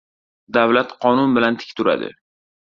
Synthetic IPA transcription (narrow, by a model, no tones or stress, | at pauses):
d̪avlat̪qʰɒnʊnbɪlant̪ʰɪ̥kʲt̪ʰʊɾa̰d̪ɪ̰